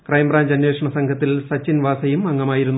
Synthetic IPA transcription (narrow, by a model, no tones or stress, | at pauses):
krɐjmbraːɲd͡ʑɐnjweːʂɐɳɐsɐŋkʰɐt̪ːilsɐt͡ɕːinʋaːsɐjumɐŋːɐmaːjiɾunː